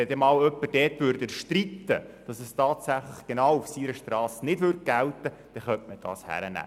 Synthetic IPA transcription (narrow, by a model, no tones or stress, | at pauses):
ɛdɛmɑːwœpːəd̥ɛːtʋʉːɾdəʃtrit̪ːəd̥ɑsɛstɑːt̪sæχləχɡ̥enɑwufsiɾəʃtrɑːsnɪdʋʏrt̚ɡ̥æwtə | d̥ɛχœntməd̥ɑ̰ːshæ̰ɾənæ̰ː